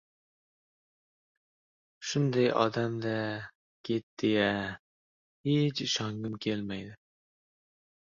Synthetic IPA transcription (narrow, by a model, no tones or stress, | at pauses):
ʃʊnd̪ajʔɒ̰d̪amd̪a | kʲʰet̪̚d̪eja | het͡ʃɪʃɒŋɡɪmkʲʰelmajd̪ɪ